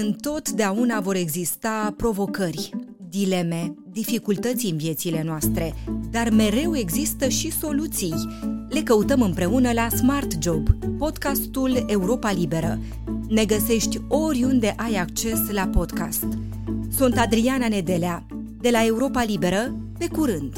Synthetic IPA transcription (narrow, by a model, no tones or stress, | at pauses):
ɨnt̪o̞t̪d̪eaunavo̞ɾe̞ɡzist̪apɾo̞vo̞kərʲd̪ile̞me̞d̪ifikult̪ət̪siɨnvije̞t̪sile̞noast̪ɾe̞d̪arme̞ɾe̞we̞ɡzist̪əʃiso̞lut̪sijle̞kəut̪əmɨmpɾe̞unəlasmart̪d͡ʒo̞bpo̞d̪kast̪ule̞uɾo̞palibe̞ɾə̰ | ne̞ɡəse̞ʃt̪ʲo̞ɾʲund̪e̞ʔajak̚t͡ʃe̞slapo̞d̪ka̰st̪ | sunt̪ad̪ɾianane̞d̪e̞lea | d̪e̞lae̞uɾo̞palibe̞ɾəpe̞kuɾɨnd̪̥